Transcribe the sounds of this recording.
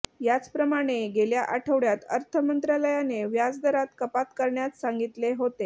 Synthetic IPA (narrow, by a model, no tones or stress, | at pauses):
jat͡spɾəmaɽ̃eɡeljaʔaʈʰəʋɽjat̪əɾt̪ʰəmənt̪ɾaləjaneʋjad͡zd̪əɾat̪kəpat̪kəɾɳjat͡s̪sãŋɡit̪leɦot̪e